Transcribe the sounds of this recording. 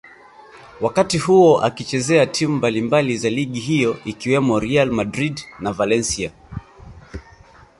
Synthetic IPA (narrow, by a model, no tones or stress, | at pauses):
wakatihuɔʔa̰kit͡ʃɛzɛatʰimumbalimbalizaliɠiɦijɔʔikiwɛmɔɾialmadɾidnavalɛnsia